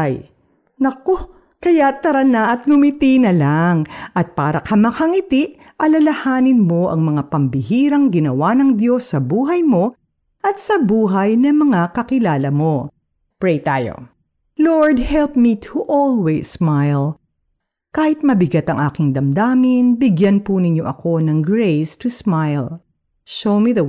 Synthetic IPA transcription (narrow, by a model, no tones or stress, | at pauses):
aj | nɐko | kɐjat̪ɐɾɐnaʔɐt̪̚ɡʊmɪt̪inɐlaŋʔɐt̪̚paːɾɐkɐmɐkɐŋɪt̪ɪʔ | ʔɐlɐlɐhaːnɪnmo̞ʔɐ̰ŋmɐŋapɐmbɪhiːɾɐŋɡɪnɐwanɐŋd̪jo̞sːɐbuːɦɐjmo̞ | ʔɐt̪̚sɐbuːɦɐjnɐmɐŋakɐkɪlaːlɐmo̞ | pɹejt̪aːjo̰ | loɹd̪̚hɛlp̚mit̪ʰʊʔolˠwɛsːmajl | kaːhɪt̪̚mɐbɪɡat̪ɐŋʔaːkɪŋd̪ɐmd̪aːmɪnbɪɡjanpunɪɲːo̞ʔɐko̞nɐŋɡɹejst̪ʊsmajl | ʃowmiðɐ